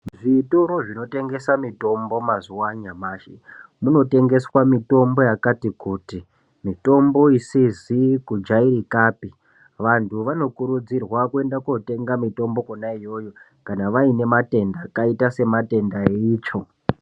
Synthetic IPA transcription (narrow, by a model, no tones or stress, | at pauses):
ʐitoɾoʐino̞te̞ŋɡe̞samito̞mbo̞mazuwaɲamaːʃemuno̞te̞ŋɡe̞swamito̞mbo̞jakatikuːti | mito̞mboisizikud͡ʒaiɾikaːpi | ʋantʰuʋano̞kuɾud͡zirwakue̞ndakote̞ŋɡamito̞mbo̞konaijo̞ːjo̞ | kanaʋaine̞mate̞ndakaitase̞mate̞ndaeiːt͡ʃo̞